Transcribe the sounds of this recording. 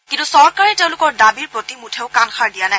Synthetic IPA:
kintusɔɹkaɹɛteʊ̃lʊkɔɹdabiɹpɹotimutʰeʊkanxaɹdijanaj

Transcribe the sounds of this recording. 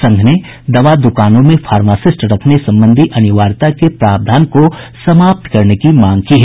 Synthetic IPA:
sɐ̃ŋɡʱne | d̪ɐʋad̪ʊkaːnõmẽfʰaːɾmaːsɪsʈɾɐkʰnesɐ̃mbə̃nd̪ʱiʔɐnɪʋaːɾt̪akepɾaːb̚d̪ʱaːnkosɐmaːp̚t̪kɐɾnekimãːŋɡkiɦɛː

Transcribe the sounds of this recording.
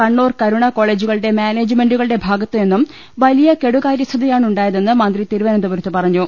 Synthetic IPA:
kɐɳːoːrkɐɾuɳɐko̞ːɭe̞ːd͡ʑuɣɐɭɨɽe̞maːneːd͡ʑɨme̞nɖuɣɐɭɨɽe̞bʱaːɡɐt̪ːɨe̞nːum | ʋɐlijɐke̞ɽuɣaːɾjɐst̪ʰɐðijaːɳuɳɖaːjɐðe̞nːɨmɐnd̪rit̪iːɾuʋɐnɐnd̪uʋɐɾɐt̪ːɨpɐrɐɲːu

